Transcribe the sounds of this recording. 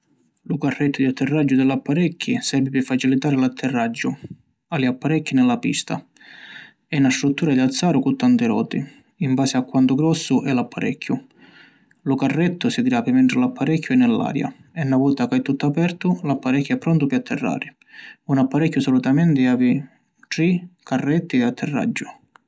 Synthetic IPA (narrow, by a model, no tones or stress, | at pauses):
lʊkarːɛt̪ːʊd̪iat̪ʰːɪrːad͡ʒːʊd̪ɪlapːaɾɛkʰːisɛɾvɪpɪfːat͡ʃilit̪aːɾɪlat̪ʰːɪrːad͡ʒːʊ | aliapːaɾɛkʰːinɪlːapḭst̪ʰa̰ | ɛnast̪ɾut̪ːuːɾad̪iat̪sːaːɾʊkut̪ːant̪ɪɾɔ̰ːt̪ɪ | iɱbaːsɪakːwant̪ʊɡɾɔsːʊʔɛlapʰːaɾɛ̰kʰːjʊ | lʊkarːɛt̪ːʊsɪɡɾaːpɪmɛnɳʈ̪ɾɪlapːaɾɛkʰːʊɛnːɪlːa̰ːɾja̰ | ɛnːavuːt̪akajt̪ːut̪ːapɛrt̪ʊlapːaɾɛkʲːʊɛpːɾɔnt̪ʊpɪat̪ʰːɛrːa̰ːɾɪ | unapːaɾɛkːjʊsɔlut̪amɛnt̪ɪaːvɪ | ʈɾikʰarːɛt̪ːiat̪ʰːɛrːa̰d͡ʒːʊ